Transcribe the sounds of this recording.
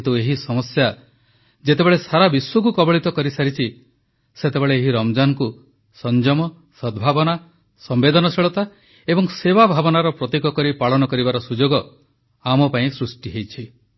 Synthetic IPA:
t̪ueɦisɔmɔsja | d͡ʒet̪ebeɭesaɾabiswukukɔbɔɭit̪ɔkɔɾisaɾit͡ʃʰi | set̪ebeɭeːɦiɾɔmd͡ʒanɔku | sɔnd͡ʒɔmɔ | sɔd̪bʱabɔna | sɔmbed̪ɔnɔsiɭɔt̪a | ebɔŋsebabʱabɔnaɾɔpɾɔt̪ikɔkɔɾipaɭɔnɔkɔɾibaɾɔsud͡ʒoɡɔ | amɔpaĩsɾusʈiɦejt͡ʃʰi

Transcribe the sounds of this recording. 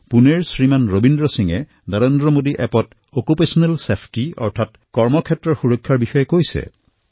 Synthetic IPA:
puneɹsɹimanɹobindɹɔsiŋɛ | nɔɹendɹɔmodiʔɛpɔt | okupesɔnɛlsepʰtiɔ̰ɹtʰat | kɔɹmɔkʰɛtːɹɔɹxuɹɔkʰːaɹbixɔjɛkojsɛ̰

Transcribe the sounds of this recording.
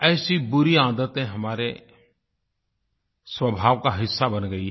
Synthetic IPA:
ɛːsibʊɾiãːd̪ət̪ɦẽɦɐmaːɾe | swəbʱaːʋkaɦɪsːabɐnɡəiɦ

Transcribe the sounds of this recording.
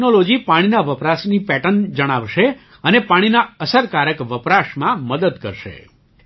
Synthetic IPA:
nolod͡ʒipaɽ̃inaʋəpɾaʃnipɛʈənd͡ʒəɽ̃aʋʃe | ənepaɽ̃inaəsəɾkaɾəkʋəpɾaʃmãməd̪əd̪kə̰ɾʃḛ

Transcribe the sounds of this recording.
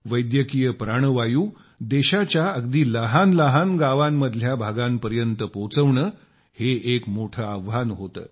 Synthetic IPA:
ʋəjd̪jəkijəpɾaɳ̃əʋajuː | d̪eɕat͡ɕjaəɡd̪iːləɦanləɦanɡaʋamːəd̪ʱljabʱaɡampəɾjənt̪əpot͡səʋɳəː | heekmoʈʰəəʋːanɦot̪ə̰ː

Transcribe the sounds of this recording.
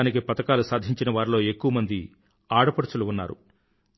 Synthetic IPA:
nik̬ipɐt̪ɐkaːlusaːd̪ʱiɲt͡ʃinɐʋaːɾlo̞ːe̞kːuʋɐmɐnd̪i | aːɽɐpɐɽɐt͡ʃuluunːa̰ːɾṵ

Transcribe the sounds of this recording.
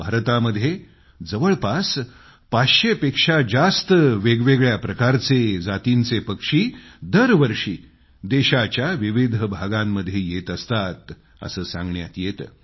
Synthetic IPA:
bʱaɾt̪aməd̪ʱːje | d͡zəʋəɭpas | paɕepekʂad͡zast̪əʋeɡʋeɡɭjapɾəkaɾt͡sed͡zat̪int͡sepəkʂiːd̪əɾʋəɾʂiː | d̪eɕat͡ɕjaʋiʋid̪ʱbʱaɡamːəd̪ʱːjejet̪əst̪at̪ | ə̰səːsã̰ŋɡɳjat̪jet̪ː

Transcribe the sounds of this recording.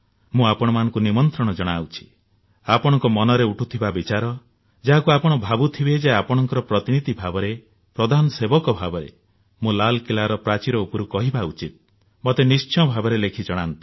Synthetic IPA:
mũapɔɽ̃ɔmanɔŋkunimɔnt̪ɾɔɽ̃ɔd͡ʒɔɽ̃awt͡ʃʰi̥ | apɔɽ̃ɔŋkɔmɔnɔɾeuʈʰut̪ʰibabit͡ʃaɾɔ | d͡ʒaɦakuapɔɽ̃ɔbʱabut̪ʰibed͡ʒeapɔɽ̃ɔŋkɔɾɔpɾɔt̪inid̪ibʱabɔɾe | pɾɔd̪ʱanɔsebɔkɔbʱabɔɾḛ | mũlalkilaɾɔpɾat͡ʃiɾɔupɔɾukɔɦibaut͡ʃit̪̚ | mɔt̪enist͡ʃʰɔbʱabɔɾelekʰid͡ʒɔɽ̃ant̪u̥

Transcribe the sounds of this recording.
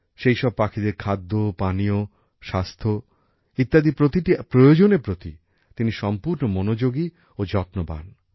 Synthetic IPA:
ʃejʃɔb̚pakʰid̪eɾkʰad̪ːopanio | ʃast̪ʰo | it̪ːad̪ipɾot̪iʈipɾojod͡ʑonepɾot̪i | t̪iniʃɔmpuɾnomonod͡ʑoɡi | od͡ʑɔtnoba̰n

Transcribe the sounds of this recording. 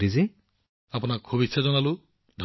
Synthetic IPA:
ɾizi | apɔnaɾkʰobitsʰad͡ʒɔnalu | d̪ʱ

